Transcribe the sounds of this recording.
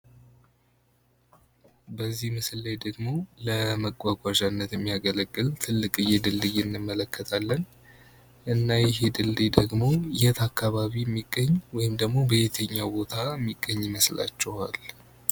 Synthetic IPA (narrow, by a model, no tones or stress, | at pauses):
bəzːihmɨsɨlːajd̪əɡmo̞ləməɡʼʷːaɡʷaʒanːət̪jɛmːijaɡələɡʼːɨlt̪ʰɨlːɨkʼɨjːɛd̪ɨlːɨjɨnːɨmːələkːət̪ʰalːən | ʔɨnːajɛɦe̞d̪ɨld̪ed̪əɡmo̞ɪjɛt̪akːaβaβiɛmːiɡːəɲːwɔjɪmd̪əɡmo̞bəjet̪ʰəɲːabo̞t̪ʰaɛmːiɡːəɲːɪməsla̰t͡ʃːɛwal